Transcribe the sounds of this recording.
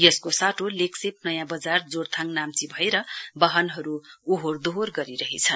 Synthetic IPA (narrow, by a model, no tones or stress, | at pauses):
jʌskosaʈʰoleksep̚nʌjãbʌd͡zard͡zort̪ʰaŋnamt͡sibʱʌeɾʌbʌɦʌnɦʌɾuːɦord̪oorɡʌɾiɾʌɦet͡sʰʌn